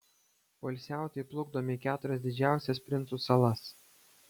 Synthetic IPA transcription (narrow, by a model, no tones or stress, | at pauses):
ʋɐlʲsʲæˑʊt̪ʲɛɪplˠʊɡd̪oːmʲɪkʲæːt̪ʊɾʲɛsd̪ʲɪd͡ʒʲæˑʊsʲɛspʲɾʲɪnt̪suːsɐlˠɐs